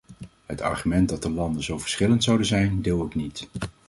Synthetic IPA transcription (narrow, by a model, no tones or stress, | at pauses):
ɦətɑ̰ɹχymɛnt̚dɑt̚dəlɑndənzowvə̥ɹsχɪləntsɑwdəzɛjndɪːlˠoknit